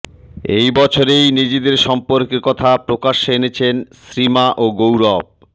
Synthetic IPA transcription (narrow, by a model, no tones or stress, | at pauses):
ḛjbɔt͡ɕʰoɾejnid͡ʑed̪eɾʃɔmpoɾkeɾkɔt̪ʰapɾokaʃenet͡ɕʰensɾimaʔoɡowɾɔb̚